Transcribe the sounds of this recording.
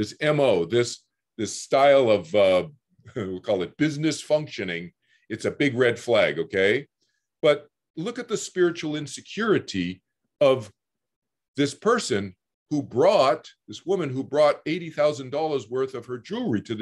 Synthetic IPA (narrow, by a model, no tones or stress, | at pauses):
ðɪsɛ̃moʊðɪs | ðɪstaɪlˠʌvʌ | wkʰɔlˠɨt̚b̥ɪznɨsfʌ̃ŋkʃɨnɪ̃ŋ | ɨtsɨbɪɡɹɛd̥flæɡoʊkʰeɪ | b̥ʌt̚ | lʊkɨt̪̚ðɨspɪɹɨt͡ʃul̩ˠɪ̃nsɨkʰj̥ʊɹɨɾi | ʌv | ðɪspʰɜ˞sɨ̃n | hubɹɔt̪̚ðɪswʊmɨ̃nɦubɹɔɾeɪɾiθaʊzɨ̃n̩dɔlˠə˞zwɜ˞θʌv̥ə˞d͡ʒuɹiɾɨ